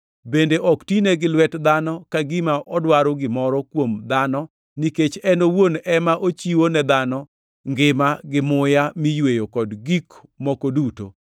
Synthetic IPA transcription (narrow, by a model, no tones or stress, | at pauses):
bendeʔɔktineɡɪlwɛtd̪anɔkaɡɪmaʔɔdwaɾoɡɪmɔɾɔkwomd̪anɔ | niket͡ʃɛnowonɛmaʔot͡ʃiwonɛd̪anɔ | ŋɡɪmaɡɪmʊjamijwejokɔdɡikmɔkoduto̰